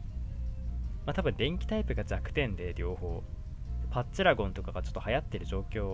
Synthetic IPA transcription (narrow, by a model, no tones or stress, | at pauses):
mat̪abɯ̟̃nd̪ẽ̞ŋkʲi̥t̪aipɯ̟ɡad͡ʑakɯ̟̥t̪ẽ̞nd̪e̞ɾʲo̞ːho̞ː | paɕɨɾaɡõ̞nt̪o̞kaɡat͡ɕo̞t̪ːohajat̪ːe̞ɾɯ̟ʑo̞ːkʲo̞ː